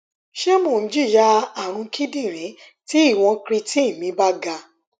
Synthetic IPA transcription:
ʃe˦mo˦˨n̩˨˦d͡ʒi˦˨ja˧a˦˨ɾ̃ũ˧kʰi˦dĩ˦˨ɾ̃ĩ˨˦ | ti˦i˦˨w̃ɔ̃˧kɾi˧ti˦˨mĩ˨˦ba˦ɡa˧

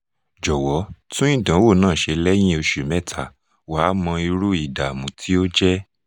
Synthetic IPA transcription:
d͡ʒɔ˨wɔ˨˦tũ˦ĩ˦˨dã˨˦wo˦˨nãː˦˨ʃe˧lɛ˦j̃ĩ˦o˧ʃu˨mɛ̃˦˨tʰa˦˨ | wa˨˦mɔ̃˧i˧ɾu˦i˦˨da˨mũ˨tʰi˦o˦d͡ʒɛ˦

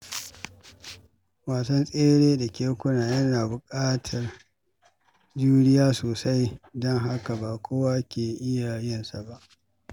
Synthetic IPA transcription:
waː˨sɐ˦nsʼeː˦ɽeː˦da˨kʲeː˦kʷʊ˦naː˨jɐ˦naː˨bʊ˨kʼaː˦tʰɐ˨r | d͡ʒuː˦ɽɪ˦jaː˦soː˨sa˦jdɔ˦ŋɦa˦ka˨baː˨kʷʰoː˦waː˦kʲeː˨ʔɪ˦jaː˨jɪ˦nsa˨ba˦ʔ

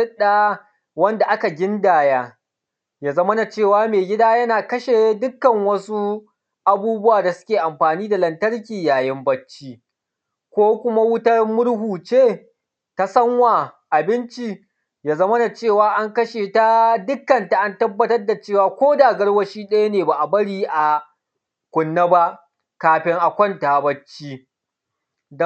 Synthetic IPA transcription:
ɪ˦ɗaː˨ | wɐ˦nda˨ʔa˦ka˨ɡʲɪ˦ndaː˨jaː˦ | jaː˨zɐ˦mɐ˦na˨t͡ʃeː˦˨waː˦meː˨ɡʲɪ˦daː˦jɐ˦naː˨kɐ˦ʃe˨dʊ˦kːɐ˨ŋwɐ˦su˦ | ʔa˨buː˦bʊ˦waː˨da˨sʊ̥˦kʲeː˨ʔa˨mɸaː˨niː˦da˨lɐ˨ntɐ˦ɽkʲiː˨jaː˨jɪ˦mbɐ˦t͡ʃːiː˦ | kʷoː˦kʷʊ˦ma˦wʊ˦tɐ˦rmʊ˦ɽhuː˨t͡ʃeː˦ | ta˦sɐ˦ŋwaː˨ʔa˨bɪ˦nt͡ʃi˦ | jaː˦zɐ˦mɐ˦na˨t͡ʃeː˦˨waː˨ʔa˦ŋkɐ˦ʃeː˨ta˦dʊ˦kːɐ˨nta˨ʔa˦ntɐ˦bːɐ˦tɐ˦rda˨t͡ʃeː˦˨waː˨kʷoː˦daː˨ɡɐ˦ɽwɐ˦ʃiː˦ɗɐ˦ja˦neː˨ba˨ʔa˨bɐ˦ɽiː˦ʔa˨ | kʷʊ˨nːa˦ba˦ʔ | kaː˨ɸɪ˦ŋʔa˨kʷɔ˦ntaː˨bɐ˦t͡ʃːiː˦ | d

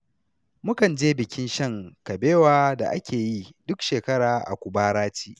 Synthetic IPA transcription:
mʊ˦kɐ˨nd͡ʒeː˦bɪ˨kʲɪ˦nʃɐ˦ŋkɐ˨beː˦waː˦da̰˨ʔa̰˦kʲʰeː˨ji˦dʊ˦kʃeː˨kɐ˦ɽaː˨ʔa̰˨kʷʊ˨baː˦ɾaː˦t͡ʃi̥ː˦

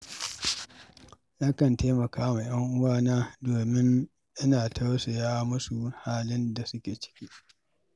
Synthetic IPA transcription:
jaː˦kɐ˨nteː˦mɐ˨kaː˦ma˨j̰ɐ˦ŋʔʊ˦waː˦˨naː˦doː˨mɪ˦n | ʔɪ˦naː˨tʰa˦wse˨jaː˦mʊ˦su˨haː˦lɪ˦nda˨sʊ˦kʲeː˨t͡ʃɪ̥˦kʲiː˦

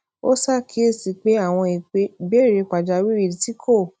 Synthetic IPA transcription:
o˦sa˦˨kʰi˦e˦˨si˧˦k͡pe˨˦a˦˨w̃ɔ̃˧i˨k͡pe˨˦˨be˦˨ɾe˧k͡pa˨d͡ʒa˧wi˦i˦˨i˧˦ti˦kʰo˦˨

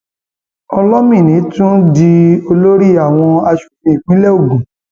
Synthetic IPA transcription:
ɔ˧lɔ˦mĩ˦˨nĩ˨˦tũ˦di˧o˧lo˦ɾi˦a˦˨w̃ɔ̃˧a˧ʃu˨fĩ˧˨i˨ɡ͡bĩ˨˦lɛ˦o˦˨ɡũ˨

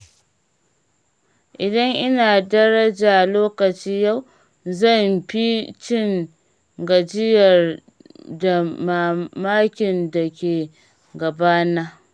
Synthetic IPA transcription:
ʔɪ˨dɐ˦ŋʔɪ˦naː˨dɐ˦ɾɐ˦d͡ʒaː˨loː˦kɐ˨t͡ʃiː˦ja˦˨w | zɐ˦˨mɸi˦t͡ʃɪ˦˨ŋ | ɡɐ˨d͡ʒɪ˦jɐ˨r | da˨ma˨maː˦kʲɪ˨nda˨kʲeː˨ | ɡɐ˨baː˦naː˦

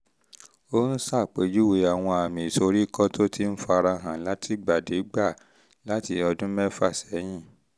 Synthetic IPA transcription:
o˦n̩˦sa˦˨k͡pe˨˦d͡ʒu˦we˨˦a˨w̃ɔ̃˧a˨mĩ˨so˧ɾi˦kɔ˦to˦ti˦n̩˦fa˧ɾa˧ɦã˨la˦tʰi˦ɡ͡ba˨de˨˦ɡ͡ba˦˨ | la˨˦ti˧ɔ˧dũ˦mɛ˦fa˦˨sɛ˨˦j̃ĩ˦˨

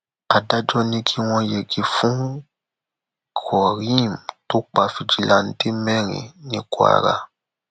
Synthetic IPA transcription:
a˨da˦d͡ʒɔ˦nĩ˧kʰi˦w̃ɔ̃˧je˨ɡi˨fũ˦ | kʰɔ˨ɾĩ˦˨m˨to˦k͡pa˧fi˧d͡ʒi˨˦la˨˦n̩˦de˦mɛ̃˦˨ɾḭ̃˨nĩ˦ko˦a̰˨ɾa̰˧

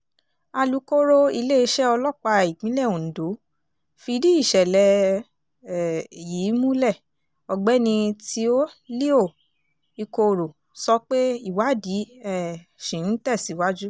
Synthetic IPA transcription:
a˧lu˧ko˦ɾo˦i˧le˦i˧ʃɛ˦ɔ˧lɔ˦˨k͡pa˧i˨ɡ͡bĩ˨˦lɛ˦˨õ˨n̩˨do˨˦ | fi˧di˦i˦˨ʃɛ˨lɛ˨ | ji˨˦mũ˦lɛ˦˨ | ɔ˧ɡ͡bɛ˦nĩ˧ti˧˦o˦li˦o˦˨ | i˧ko˧˨ɾo˨ | sɔ˧˦k͡pe˦i˦˨wa˨˦˨di˨˦ɛ˦˨ | ʃĩ˨n̩˦tɛ˦˨si˨˦wa˦d͡ʒu˦

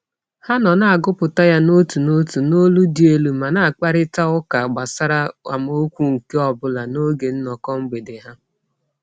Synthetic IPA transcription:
ha˦nɔ˨na˦a˨ɡʊ˦pʊ˨ta˦ja˦no˦tu˨no˦tu˨no˦lu˦di˨e˦lu˦ma˨na˨a˨k͡pa˦ɾɪ˦ta˦ʊ˦ka˨ɡ͡ba˨sa˦ɾa˦a̰˨m˦o˦kʷu˦ŋ̩˨ke˦ɔ˨bʊ˦la˨no˦ɡe˨n̩˦nɔ˨kɔ˦ŋ͡m̩˦ɡ͡be˨dɪ˨ɦa˦

